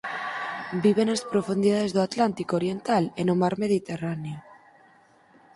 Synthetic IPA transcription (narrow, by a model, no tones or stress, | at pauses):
biβ̞enaspɾofund̪iðaðezðoat̪lant̪ikoɾjent̪alenomaɾmeðit̪eranejo